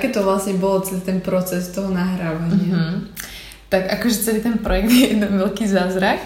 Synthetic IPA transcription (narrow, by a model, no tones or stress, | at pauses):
kɛːt̪ɔʋlasɲɛbɔlɔt͡sɛlit̪ɛnpɾɔt͡sɛst̪ɔɦɔnaɦɾaːʋaɲɪa | t̪akakɔʒɛt͡sɛliːt̪ɛnpɾɔjɛɡ̚d̪jɛjɛd̪nɛnʋɛlkiːzaːzɾak